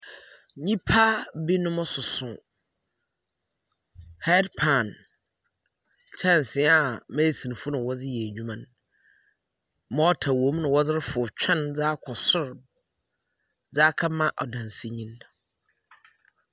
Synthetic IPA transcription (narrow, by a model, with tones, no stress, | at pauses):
ɲĩ˦pʰa˦bi˦nʊ̃˦mʊ̃˦sʊ˨sʊ̃˨ | ha˦dpʰã˨n | t͡ɕʰa˦˨n̩˨sɪ̃˨˦a˨mɛ̃˦˨sĩ˨ñ˨fʊ˦nʊ̃˨wɔ˦d͡zɪ˦jɛ˨ɲᶣũ˦mã˦n | mɔ̃˦ɔ˦tʰa˨wõ˨˦m˦nʊ̃˨wɔ˦d͡zɪ˦ɾfʊ˨t͡ɕʰᶣɛ̃˦nd͡za˦kʰɔ˨sʊ˦ɾ | d͡zaː˦kʰa˦mã˦ʔɔ̰˨dã˨nsi˦ɲĩ˦n